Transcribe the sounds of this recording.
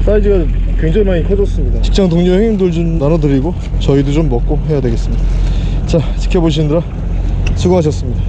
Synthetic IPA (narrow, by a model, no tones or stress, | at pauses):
s͈aidɯɡa | kweŋd͡ʑaŋimaɲipʰed͡ʑʌs͈ɯmɲidat͡ɕi̥k̚t͡ɕ͈aŋtoŋɲuheŋimdɯɭd͡ʑomnanʌdɯɾiɡo | t͡ɕʌidot͡ɕomːʌk̚k͈oɦe̞jadwe̞ɡe̞s͈ɯmɲida | t͡ɕa | t͡ɕi̥kʰeboɕ̬ʰinɯndɯɾa | sʰuɡaaɕʰʌs͈ɯmɲida